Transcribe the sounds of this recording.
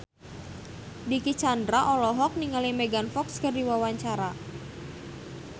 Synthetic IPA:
dikit͡ʃandɾaʔɔlɔɦɔk̚niŋalimeɡanfɔkskərdiwawaɲt͡ʃaɾa

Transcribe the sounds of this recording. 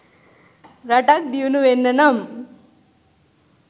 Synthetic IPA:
ɾaʈak̚d̪iwnuʋenːɐnɐm

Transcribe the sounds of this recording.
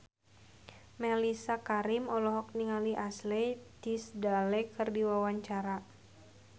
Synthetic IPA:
mɛlisakaɾimɔlɔɦɔk̚niŋaliʔaslɛt̪isdalɛkɨrdiwawaɲt͡ʃaɾa

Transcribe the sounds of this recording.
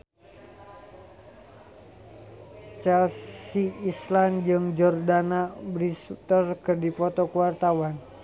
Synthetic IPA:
t͡ʃɛlsiisland͡ʒɨŋd͡ʒɔrdanabɾisut̪ərkərdipɔt̪ɔkuwart̪awan

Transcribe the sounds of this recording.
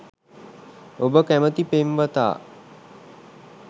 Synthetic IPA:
obəkæmət̪ipemʋət̪a̰ː

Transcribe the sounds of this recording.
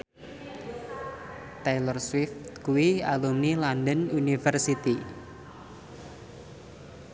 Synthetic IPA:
t̪elərswɪft̪̚kuwialumnilandənunifərsit̪i

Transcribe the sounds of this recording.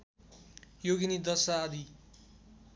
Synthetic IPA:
joɡinid̪ʌsaːd̪ʱi

